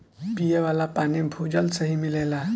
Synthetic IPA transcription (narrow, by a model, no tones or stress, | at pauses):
pijeʋalapañibʱud͡ʑəlsəɦimilajla